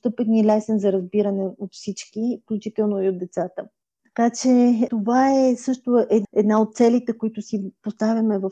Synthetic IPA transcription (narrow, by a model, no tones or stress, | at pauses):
st̪ɤpɛt̪nilɛsɛnzɐɾɐzbiɾənɛot̪fsit͡ʃkifklʲut͡ʃit̪ɛlˠnoiod̪ɛt̪sat̪ə | t̪ɐ̥kat͡ʃɛt̪ovaɛsɤʃt̪oʔɛɛd̪naot̪̚t̪sɛlit̪ɛkoit̪ʊsipost̪avʲɐmɛvɐf